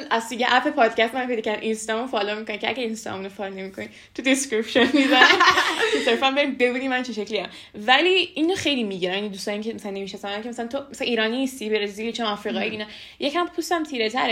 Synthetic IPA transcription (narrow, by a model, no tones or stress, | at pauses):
næzt̪ijeʔæpʰepʰɒːd̪̥cʰæst̪emænpʰe̞jd̪ɒːcʰæɾd̪ʔinst̪ɒmunfɒlomikonicʰeæ̰ɡæɾinst̪ɒ̰munofɒlnemikʰoni | t̪ʰud̪eskɾipʃonmizæ | seɾfænbe̞ɾimbebud̪imænt͡ʃʰeʃecliæm | væliːinːoxejlimiɟiɾænmjnid̪ust̪ɒːniŋcʰemæsælænːemiʃæst̪æmænkʰʲemæsælænt̪omæsælænʔiːɾɒːninːist̪ibeɾezilit͡ʃʰonɒːfɾiːɣɒːiiːnɒ | jecʰæmpʰust̪æmt̪ʰiːɾet̪ʰæɾe